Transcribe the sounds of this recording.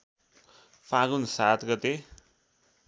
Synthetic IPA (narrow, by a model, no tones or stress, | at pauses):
pʰãɡunsat̪ɡʌt̪e